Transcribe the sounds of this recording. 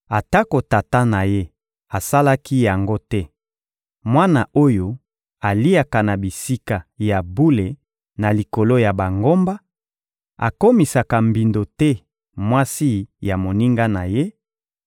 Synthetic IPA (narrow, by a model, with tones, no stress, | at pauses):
a˨ta˦ko˨ta˨ta˦na˨je˦ | a˨sa˦la˦ki˦ja˨ŋɡo˦tɛ˦ | mwa˦na˨o˦jo˦ | a˨li˦a˨ka˨na˨bi˨si˦ka˨ja˨bu˦le˨ | na˨li˨ko˨lo˦ja˨ba˨ŋɡo˦mba˦ | a̰˨ko˦mi˨sa˨ka˨mbi˨ndo˨tɛ˦ | mwa˦si˦ja˨mo˨ni˦ŋɡa˦na˨je˦